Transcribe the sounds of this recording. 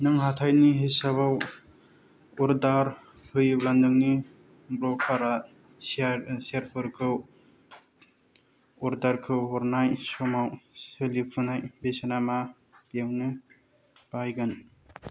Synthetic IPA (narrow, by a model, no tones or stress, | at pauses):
nɯŋɦatʰajniɦejsabaw | ɔɾdaɾ | hɯjɯwlandɯŋni | bɾɔkʰaɾa | sseɾpʰɯɾkʰɯw | ɔɾdaɾkʰɯwɦɔɾnajsɔmawselipʰunajbesanama | b̥jaŋnɯ | b̥ajɡan